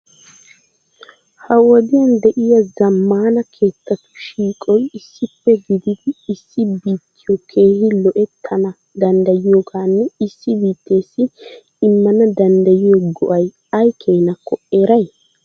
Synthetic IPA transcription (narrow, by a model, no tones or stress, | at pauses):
hɐwɔd̪ɪjɐnd̪ɛʔɪjɐzɐmːaːnɐkʰe̞ːt̪ːɐt̪ʊ̥ʃiːkʼɔjɪsːɪpːɛɡɪd̪ɪd̪ɪːsːɪbiːt̪ʰːɪjɔkʰe̞ːhɪlɔʔɛt̪ʰːɐnɐ | d̪ɐnd̪ɐjɪjoɡaːnːɛɪsːɪbiːt̪ːe̞ːsːɪ | ɪmːɐnɐd̪ɐnd̪ɐjɪjɔɡɔʔɐj | ɐjkʰe̞ːnɐkːɔʔe̞ːɾɐj